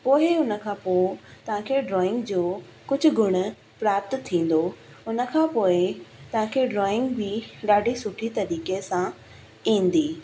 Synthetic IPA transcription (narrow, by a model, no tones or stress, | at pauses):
poːɪʊnə̆kʰãpoːt̪ɐʋ̤ãkʰeɖɾɔːɪ̃ŋɡd͡ʑoː | kʊd͡ʑʱʊ̆ɡʱʊɽ̃ʊ̆ | pɾaːp̚t̪t̪ʰːĩːn̆d̪o | ʊnə̆kʰãːpoːɪt̪ɐʋ̤ãkʰeɖɾɔːɪ̃ŋɡbɪɗaːɖʱisʊʈʰit̪ɐɾiːkesã | ĩːn̆d̪iː